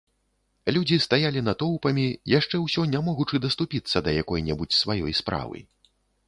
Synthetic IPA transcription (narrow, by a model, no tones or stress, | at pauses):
lʲud͡zʲist̪ajalʲinɐt̪ɔwpɐmʲijaʂt͡ʂɛwsʲɔnʲamɔɣut͡ʂɨd̪ɐst̪upʲit̪sːɐd̪ɐjakɔjnʲɛbut͡sʲsvajɔjspɾa̰vɨ̰